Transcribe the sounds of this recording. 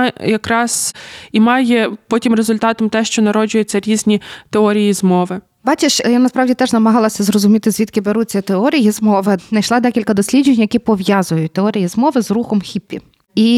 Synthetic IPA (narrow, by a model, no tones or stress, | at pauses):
jɐkɾɑz̥imɑjɛpɔtʲimrezʊlʲt̪ɑt̪ɔmt̪ɛʃt͡ʃɔnɐɾɔd͡ʒʊjet͡sʲːɐɾʲizʲnʲit̪eɔɾʲijizmɔʋɪ | bɑt͡ʃeʃjanɐspɾɑʋdʲit̪ɛʒnɐmɐɦɑlˠɐsʲɐzɾɔzʊmʲit̪ɪzʲʋʲit̪kɪbeɾut͡sʲːɐt̪eɔɾʲijizmɔʋɪnɐjʃlˠɑd̪ɛkʲilʲkɐd̪ɔsʲlʲid͡ʒenʲjɐkʲipɔʋjɑzʊjʊt̚ʲt̪eɔɾʲijizmɔʋɪzruxɔmxʲipʲːḭ | i